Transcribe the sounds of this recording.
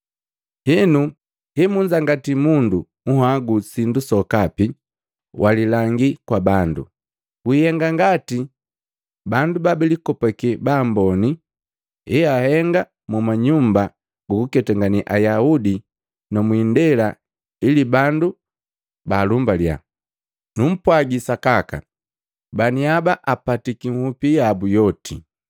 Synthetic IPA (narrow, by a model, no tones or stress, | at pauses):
hinu | hɛmuɲd͡ʒaŋɡatimundu | uɦaɡusindusɔkapi | wʔalilaŋɡikwabandṵ | wihɛŋɡaŋɡati | bandubabɛlikɔpakɛbaːmbɔni | ɛahɛŋɡa | mumaɲumba | ɡukukɛtaŋɡaniʔajaudi | nɔmwiːndɛla | ilibandu | baːlumbalja̰ | num̩pwaɡisakaka̰ | baniabaʔapatikiŋ̩hupijabujɔtʰi